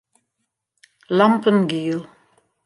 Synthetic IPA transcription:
lampənɡiːlˠ

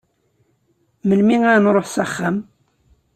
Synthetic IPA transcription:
məlmiŋænɾˤoħsaχːam

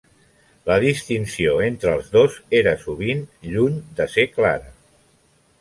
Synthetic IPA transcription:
ləðist̪insioent̪ɾəːlˠzðozeɾəsuβinʎuɲd̪əseklaɾə

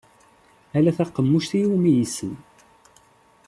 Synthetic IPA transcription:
ælæθæqːəmːuʃt̪ijumijisən

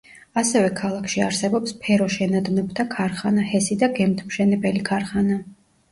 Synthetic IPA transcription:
asɛvɛkʰalˠakʰʃiaɾsɛbɔpspʰɛɾɔʃɛnad̪nɔbt̪ʰakʰaɾχanahɛsid̪aɡɛmt̪ʰmʃɛnɛbɛlikʰaɾχana

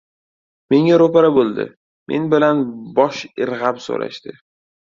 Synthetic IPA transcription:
me̞ŋaɾopaɾabolˠd̪ɪ̰ | mʔe̞̰nbɪlanbɒʃɪɾʁapso̰ɾa̰ʃt̪ɪ

